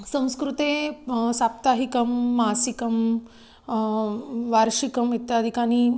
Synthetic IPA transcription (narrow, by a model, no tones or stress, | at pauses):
sɐ̃w̃skɾut̪eːsaːp̚t̪aːɦikɐmːaːsikɐm | ʋaːɾʂikɐmit̪jaːd̪ʱikaːni